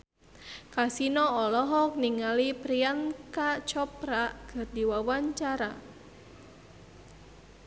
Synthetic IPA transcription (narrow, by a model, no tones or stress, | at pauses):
kasinɔɔlɔɦɔk̚niŋalipɾiankat͡ʃɔpɾaʔɡ̥ərdiwawaɲt͡ʃaɾa